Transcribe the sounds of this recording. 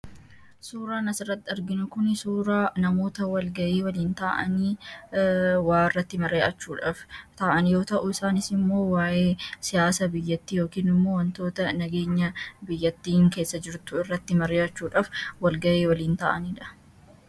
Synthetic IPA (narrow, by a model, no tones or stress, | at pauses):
suːɾaːnɐsɪrːɐt̪ːɪɐɾɡɪnʊkʊnsuːɾaːnɐmo̞ːt̪ɐwɐlɡɐʔeːwɐliːnt̪aːʔɐ̰niː | waːɪrːɐt̪ːɪmɐɾeːʔɐt͡ʃːuːᶑaːft̪aːʔɐnjo̞ːt̪ɐʔʊɪsaːnɪsɪmːo̞ːwaːʔeːsɪjaːsɐbɪjːɐt̪ːiːjo̞ːkiːnɪmːoːwɐnt̪o̞ːt̪ɐnɐɡe̞ːɲːɐbɪjːɐt̪ːiːŋke̞ːsːɐd͡ʒɪɾt̪ʊɪrːɐt̪ːɪmɐɾeːɐt͡ʃːuːᶑaːfwɐlɡɐʔeːwɐliːnt̪a̰ːʔɐniːᶑɐ̥